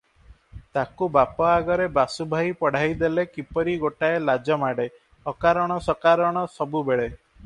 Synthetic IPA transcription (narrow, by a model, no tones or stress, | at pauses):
t̪akubapɔaɡɔɾebasubʱajpɔɽ̤ajd̪elekipɔɾiɡoʈaelad͡ʒɔmaɽe | ɔkaɾɔɽ̃ɔsɔkaɾɔɽ̃ɔsɔbubeɭe